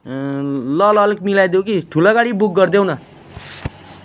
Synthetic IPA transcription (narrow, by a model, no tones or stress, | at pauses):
lʌlʌlkmilajd̪jokiʈ̪ʰulaɡaɽibuk̚ɡʌrd̪ewnʌ